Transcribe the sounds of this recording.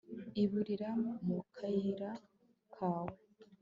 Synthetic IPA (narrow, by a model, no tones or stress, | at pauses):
iβuɾiɾamukʰajiɾa | kʰaːwe